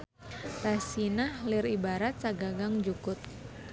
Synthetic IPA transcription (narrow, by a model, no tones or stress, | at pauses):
rasinahlɪɾibaɾat̪̚t͡ʃaɡaɡaŋd͡ʒukʊt̪̚